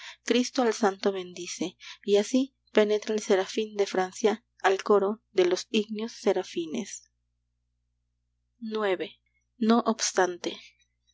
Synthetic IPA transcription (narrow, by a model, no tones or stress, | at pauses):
kɾist̪oalsant̪oβe̞nd̪ise̞iasi | pe̞ne̞t̪ɾaelseɾafind̪e̞fɾansja | alko̞ɾoðe̞losiɡnjosːe̞ɾafinḛs | nwe̞βe̞ | noʔobst̪ant̪e